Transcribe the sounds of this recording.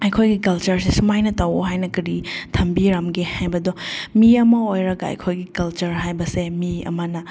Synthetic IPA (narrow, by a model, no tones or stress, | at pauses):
ɐjkʰojɡikɐlt͡ʃɐɾsesumajnɐtɐwoɦajnɐkɐɾitʰɐmbiɾamɡehajbɐdɔmiɐmɐojɾɐɡaɐ̰jkʰojɡikɐlt͡ʃɐɾɦajbɐsemiɐ̰mɐnɐ